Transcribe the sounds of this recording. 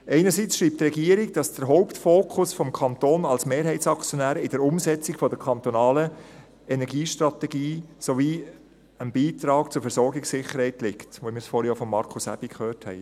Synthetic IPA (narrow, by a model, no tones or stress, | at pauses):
ɛɪnəɾsit͡sʃɾiːp̚t̪rɛɡiːəɾɪɡ̚d̥ɑsd̥̪əɾɦɔʊptfoːkʰʊsfɔmkʰɑnt̪oːnɑlsmeːɾɦɛɪtsɑkt͡sjɔnæːɾɪdəɾʊmsɛt͡sɪkfɔd̪əɾkʰɑnt̪ɔnɑːlə | ɛnɛɾɡiːʃtɾɑt̪ɛɡiːsoviː | ənbiːtɾɑːkt͡sʊɾfɛɾsɔɾɡɪksɪχəɾhɛɪtlɪktʋomɪːɾsfɔɾjɔfɔmːɑɾkʰʊsæ̰b̥ikχøːɾthɛ̰ɪ